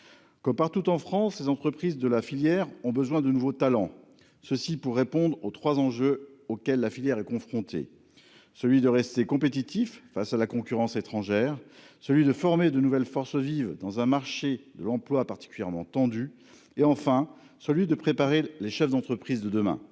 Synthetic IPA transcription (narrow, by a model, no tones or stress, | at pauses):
kɔmpaʁt̪ut̪ɑ̃fχɑ̃slezɑ̃t̪χəpχizd̪əlafiljɛʁɔ̃bəzwɛ̃d̪ənuvot̪alɑ̃ | səsipuʁːepɔ̃d̪ʁot̪χwazɑ̃ʒøokʲɛlːafiljɛʁɛkɔ̃fχɔ̃t̪ʰḛ | səlɥid̪əʁɛst̪ekɔ̃pet̪̬it̪ifːasalakɔ̃kʲyʁɑ̃set̪χɑ̃ʒɛʁsəlɥid̪əfɔʁmed̪ənuvɛlfɔʁsəvivd̪ɑ̃zɛ̃maʁʃed̪əlɑ̃plwapaʁt̪i̥kʲyljɛʁmɑ̰̃t̪ɑ̃d̪y | eɑ̃fɛ̃ | səlɥid̪əpχepaʁeleʃɛfd̪ɑ̃t̪χəpχizd̪əd̪əmɛ̰̃